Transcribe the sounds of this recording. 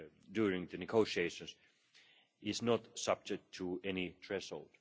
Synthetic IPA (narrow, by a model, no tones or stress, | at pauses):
djuɹɪ̃ŋðɨnɨɡoʊʃieɪʃə̃ns | ʔɪznətsʌb̚d͡ʒɛk̚tʰːəɛnitʰɹɛshoʊlˠd̥